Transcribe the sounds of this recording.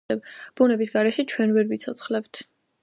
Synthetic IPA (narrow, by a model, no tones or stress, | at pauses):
ɛbb̥unɛbis̬ɡaɾɛʃɛt͡ʃʰwɛnvɛɾbit̪sʰɔt̪sʰχlɛbt̪ʰ